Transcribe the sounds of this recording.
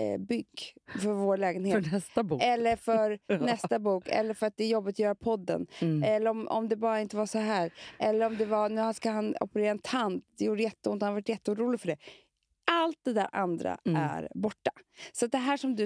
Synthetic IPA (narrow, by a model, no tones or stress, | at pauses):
bʏɡːfœɾvoːɾlɛːɡənheːɛsabɛlːəɾfœɾnɛst̪abuːkʰɛ̰lːəɾfœɾat̪̚d̪ɛæɾjɔbːɪt̪ɔjœːɾapʰɔd̪ːə̰nɛlːəɾɔmʔɔ̰md̪ɛbɑːɾaɪnt̪əvaʂɔɦæːɾʔɛlːəɾɔmd̪ɛvaɾnʉ̟ːhaskaɦanɔ̰pəɾeːɾaɛnt̪ʰant̪d̪ɛjuːɖəjɛt̪ːəʊnt̪hanavaʈjɛt̪ːəuːɾuːlɪɡfœɖɛ | alt̪̚d̪ɛd̪æ̰ːɾʔa̰nd̪ɾa̰æ̰ɾbɔʈːḁsɔat̪̚d̪ɛɦæːʂɔmd̪ɵ